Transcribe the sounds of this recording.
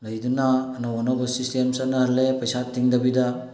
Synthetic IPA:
lɐjd̪unaːnɐwɔnabɐsistemsanɐɦɐlːepɐjsat̪ːiŋd̪ɐbidɐ

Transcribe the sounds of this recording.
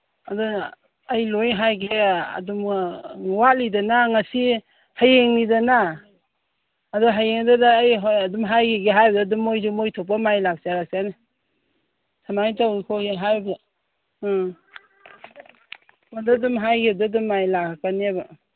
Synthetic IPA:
adɔː | jlojɦajɡea̰dum | walidanaŋasi | hajeŋnidana | dɔɦajeŋdadaːjɦɔjadumɦajɡeɡeɦajbadadumojzumojtʰɔp̬amajlak̚saɾak̚sana | sʰamajtawkʰɔɡeɦajbda | madadumɦajɡedadumːajlakʰakaneaba

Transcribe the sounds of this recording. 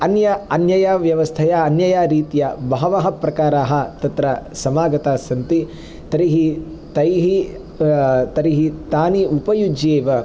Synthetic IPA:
ɐnjɐɐnjɐjaʋjɐʋɐst̪ʰɐjɐːnjɐjaːɾiːt̪ijɐbɐɦɐʋɐɦɐ̆pɾɐkaːɾaːɦɐ̆t̪ɐt̪ɾɐsɐmaːɡɐt̪aːsɐnt̪i | t̪ɐɾiɦi | t̪ɐjɦi | t̪ɐɾiɦit̪aːniupɐjud͡ʒjeːʋɐ

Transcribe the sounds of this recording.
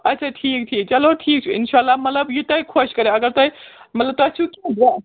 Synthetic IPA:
ɐtːt͡ʃʰaʈʰiːk̚ʈʰiːk̚t͡ʃɐloʈʰiːk̚t͡ʃʰuɪ̰nʃaːlːamɐt̪ləbjut̪ɐikʰoʃkɐɾeɐɡəɾt̪oimɐt̪ləb̚t̪oɐt͡ʃʰukiba

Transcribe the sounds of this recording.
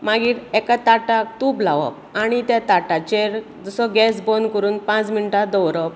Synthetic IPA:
maɡiːɾɛkat̪aʈak̚t̪uplaʋə̰p | aɽ̃it̪jat̪aʈat͡ɕeɾ | d͡zɔsɔɡɛsbɔnkəɾuːnpãt͡sminʈad̪ɔwɾəp

